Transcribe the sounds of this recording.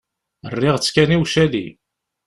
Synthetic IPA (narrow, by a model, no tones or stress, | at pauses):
ərːɪʁt͡sːkæniwʃælḭ